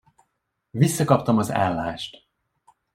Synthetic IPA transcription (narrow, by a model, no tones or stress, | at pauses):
visːɒkɒpt̪ɒmɒza̰ːlːaːʃt̪